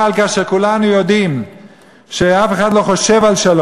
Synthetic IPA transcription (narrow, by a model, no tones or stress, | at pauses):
alkaʃekulanujod̪im | ʃeafeχad̪lo̞χoʃevalʃalo